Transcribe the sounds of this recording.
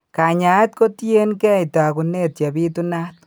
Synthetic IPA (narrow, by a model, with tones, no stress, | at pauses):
ka˨ɲa˨˦t̪ko˦t̪je˦nkɛ˦jt̪a˨ku˨ne˦t̪ja˨bi˦t̪u˦na˦t̪